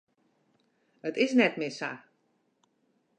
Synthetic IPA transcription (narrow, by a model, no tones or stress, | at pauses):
ətɪsnɛtmɪsa̰